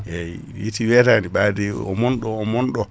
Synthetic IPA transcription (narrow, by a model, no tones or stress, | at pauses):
ɛ | jitiwɛtandiɓadɛɔ̰mɔnɗɔːmɔnɗɔ